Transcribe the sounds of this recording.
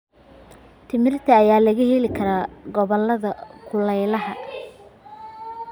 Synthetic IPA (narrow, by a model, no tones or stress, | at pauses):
t̪ʰɪmɪrt̪ʰɐːjaːlɐɣɐhɛlɪkʰɐɾaːɡɔβɔlːɐðɐkʰʊlɛjlɐhɐ